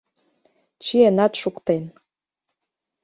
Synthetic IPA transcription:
t͡ɕienɑt̪ʃukt̪en

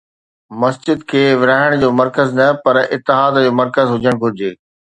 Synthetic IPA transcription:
mɐsd͡ʑɪd̪kʰeːʋɪɾaːɦɪɽ̃d͡ʑoːmɐɾkəznɐpɐɾɪt̪ːɪɦaːd̪d͡ʑoːmɐɾkəzɦʊd͡ʑəɽ̃ɡʱʊɾɪd͡ʑeː

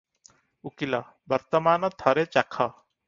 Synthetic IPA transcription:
ukilɔ | bɐɾt̪ɔmaːnɔt̪ʰɔɾet͡ʃakʰɔ

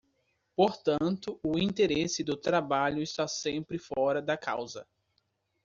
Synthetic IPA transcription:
poɾt̪ɐ̃nt̪ʊʊĩnt̪eɾesɪd̪ʊt̪ɾabaʎʊɪst̪asẽmpɾɪfɔɾɐd̪ɐka̰wzɐ̰

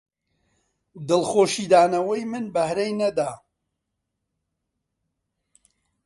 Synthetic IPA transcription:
d̪ɨlxoːʃiːd̪aːnɐwɐjmɨnbɐhɾejnɐd̪aː

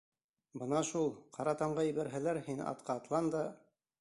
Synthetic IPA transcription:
bɤnɑʃulˠqʰɑɾɑt̪ɑɴɢɑjɘ̆βæɾɦælæɾhin̰ɑ̰t̪̚qʰɑːt̪lˠɑnd̪ɑ

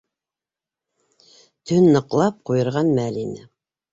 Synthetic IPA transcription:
t̪ʰɵnːɤ̆qlˠɑp̚qujɤ̆ɾʁɑnmælinɘ

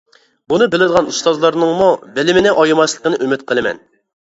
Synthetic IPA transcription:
bunɨbɪlɪd̪əʁɑnust̪ɑzlˠɑɾnɨŋmubɪlɪmɪnɪʔɑjimɑslˠəqənɨʔymɪt̪̚qʰəlˠɨmɛ̰n

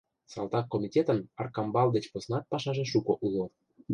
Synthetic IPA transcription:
sɑ̰lt̪ɑkːomʲitʲet̪ənɑrkɑmbɑld̪et͡ɕposnɑt̪̚pɑʃɑʒeʃukoʔulo

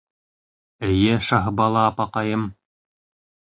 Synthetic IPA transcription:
ɘ̆jɘʃɑɦbɑlˠɑːpɑqɑjɤm

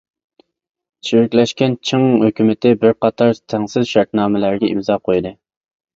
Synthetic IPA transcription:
t͡ʃʰiɾɪkʲlɛʃkʲɛnt͡ʃʰɨŋhøkʲymɪt̪ʰɪbɪɾqɑt̪ʰɑɾt̪ʰɛŋsɪzʃɑɾt̪nɑːmɪlæɾɡʲɛḭmzɑːqʰojd̪ɨ

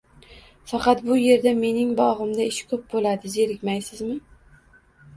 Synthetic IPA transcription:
fɑqɑt̪̚bʊje̞ɾd̪ame̞nɪŋbɒʁɨmd̪aɪʃkʰɵp̚bolad̪ɪze̞ɾɪkʲmajsɪzmɪ

